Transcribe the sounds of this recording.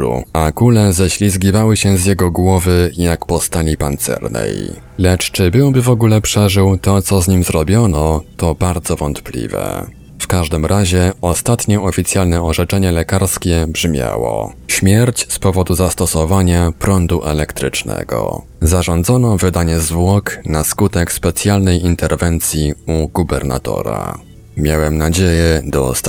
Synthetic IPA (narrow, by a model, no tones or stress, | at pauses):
ṵakulɛzɛɕlʲizɡʲivawɘɕɛzjɛɡɔɡwɔvɘjakpɔst̪alʲipant̪sɛ̰ɾnɛ̰j | lɛt͡ʂt͡ʂɘbɘwbɘvɔɡulɛpʂɛʐɘwt̪ɔt̪sɔzɲimzɾɔbʲjɔnɔt̪ɔbaɾd̪zɔvɔnt̪plʲḭvɛ̰ | fkaʐd̪ɘmɾʔaʑɛɔst̪at̪ɲɔʔɔfʲit̪sjalnɛɔʐɛt͡ʂɛɲɛlɛkaɾskʲɛbʐmʲja̰wɔ̰ɕmʲjɛɾt͡ɕspɔvɔd̪uzast̪ɔsɔvaɲapɾɔnd̪uʔɛlɛkt̪ɾɘt͡ʂnɛ̰ɡɔ̰ | zaʐɔnd̪zɔnɔvɘd̪aɲɛzvwɔknaskut̪ɛkspɛt̪sʲjalnɛjint̪ɛɾvɛnt̪sʲjiuɡubɛɾna̰t̪ɔ̰ɾa̰ | mʲjawɛmnad͡ʑejɛd̪ɔst̪